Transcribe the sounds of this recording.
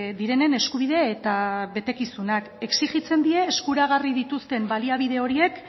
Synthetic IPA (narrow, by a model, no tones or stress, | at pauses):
d̪iɾe̞ne̞ne̞skuβ̞ið̞e̞ːt̪aβe̞t̪e̞kisunake̞ksiɣit͡se̞nd̪ie̞ːskuɾaɣarið̞it̪ust̪e̞mbaliaβ̞ið̞e̞o̞ɾie̞k